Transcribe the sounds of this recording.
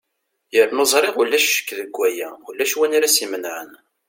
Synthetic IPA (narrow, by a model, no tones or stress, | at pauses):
jəɾnozˤɾˤeʁulːæʃʃə̥kːðəɡʷːæjæulːæʃwænaɾæsimənʕə̰n